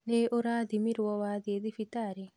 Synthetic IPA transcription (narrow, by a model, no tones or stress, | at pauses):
neʔoɾad̪imiɾwɔwaðied̪ifitaɾi